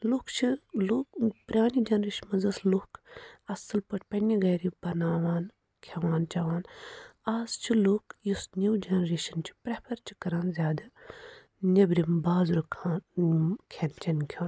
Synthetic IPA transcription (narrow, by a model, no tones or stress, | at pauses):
lukt͡ʃʰilukpɾʲaːnid͡ʒɐnɾeːʃnmɐzɐslukʰɐsɨlpɐʈʰpɐnːiɡɐjɾipɐnaːʋaːn | kʲʰɐʋaːnt͡ʃɐʋaːnaːzt͡ʃʰilukjusnʲuwd͡ʒɐnɾeːʃɐnt͡ʃʰi̥pɾepʰɐɾt͡ʃʰi̥kɐɾaːnzʲjaːd̪ɐ | nʲebɾimbaːzɾukʰaːnkʰent͡ʃɐnkʲʰaːn